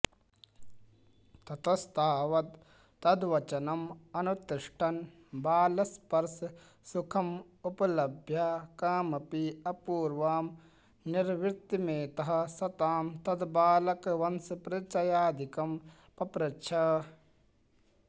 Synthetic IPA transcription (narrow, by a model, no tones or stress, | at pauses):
t̪ɐt̪ɐst̪ʰaːʋɐt̪ː | ɐd̪ʋɐt͡ʃɐnɐmɐnut̪iʂʈʰɐn | baːlɐspɐɾs | sukʰɐm | upɐlɐbʱjɐkaːmɐpiɐpuːɾʋaːm | niɾʋɪɾt̪imeːt̪ɐɦɐ̆sɐt̪aːmt̪ɐd̪baːlɐkʋɐnsɐpɾɐt͡ʃɐjaːd̪ikɐm | pɐpɾɐtːt͡ʃʰɐ